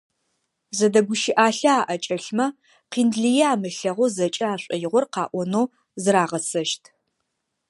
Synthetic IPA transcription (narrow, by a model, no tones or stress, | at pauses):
zɐdɐɡʷʊʃɪʔaːɬɐaːʔɐt͡ʃʼɐɬmɐ | qiːndɮijɛaːmɨɬɐʁʷɔzɐt͡ʃʼɐaːɕʷʼɐjɪʁʷɔrqɑːʔʷɔnoː | zɨɾaːʁɐsɐʃtʰ